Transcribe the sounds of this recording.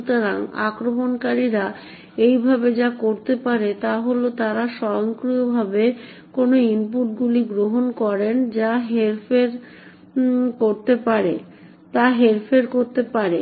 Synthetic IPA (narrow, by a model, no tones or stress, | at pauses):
t̪oɾaŋa̰kɾomonkaɾiɾa | ejbʱabed͡ʑakoɾt̪epaɾet̪aɦolot̪aɾaʃɔjoŋkɾujobʱabe | konoimpuʈɡuliɡɾoɦonkɔɾend͡ʑaɦeɾfeɾ | koɾt̪epaɾe | t̪aɦeɾfeɾkoɾt̪epaɾe